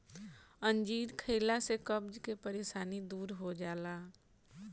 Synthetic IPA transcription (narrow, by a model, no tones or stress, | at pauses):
ə̃nd͡ʒiːd̪kʰeːlasekəbd͡ʒkepəɾeːʃaːnid̪uːɾɦod͡ʒaːlaː